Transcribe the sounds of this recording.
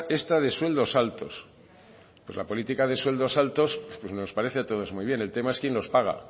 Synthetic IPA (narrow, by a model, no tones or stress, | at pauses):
e̞st̪að̞e̞swe̞ld̪o̞salt̪o̞s | pwe̞sla̰po̞lit̪ikaðe̞swe̞ld̪o̞salt̪o̞spwezno̞spaɾe̞θeat̪o̞ð̞o̞zmujβje̞ne̞lt̪e̞maeskjenlo̞spaɣ̞a̰